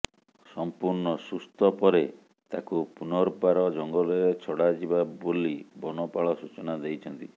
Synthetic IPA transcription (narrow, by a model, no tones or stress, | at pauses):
sɔmpuɾɳɔsust̪ɔpɔɾe | t̪akupunɔɾpaɾɔd͡ʒɔŋɡɔleɾet͡ʃʰɔɽad͡ʒibabolibɔnɔpaɭɔsut͡ʃɔnad̪ejt͡ʃʰɔnt̪i